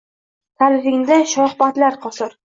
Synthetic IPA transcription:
t̪ʰalɪɾɪŋd̪aʃɒhbat̪laɾqʰɒsɨɾ

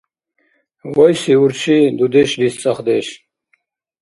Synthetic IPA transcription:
wojsiuɾt͡ɕʰid̪ud̪eɕd̪ist͡sɐχd̪eɕ

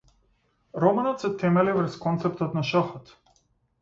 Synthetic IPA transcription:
ɾɔmanɔt̪sɛt̪ɛmɛlivɾskɔnt̪sɛp̚t̪ɔt̪naʃaxɔt̪

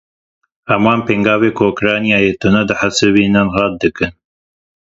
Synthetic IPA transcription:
hɐmwɑːnpeŋɡɑːveːkookɾɑːnijaːjeːt̪ʊnɐd̪ɨħasɨbiːnɨnɦɑːt̪̚d̪ɨkɨn

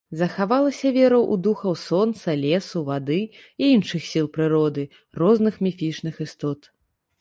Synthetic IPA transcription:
zɐxavalˠɐsʲɐvʲɛɾɐwʔud̪uxɐwsɔnt̪sɐlʲɛsuvad̪ɨiinʂɨxsʲilˠpɾɨɾɔd̪ɨ | rɔznɨxmʲifʲit͡ʂnɨxist̪ɔt̪

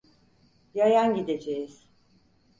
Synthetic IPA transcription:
jajanɟid̪ed͡ʒejiz̥

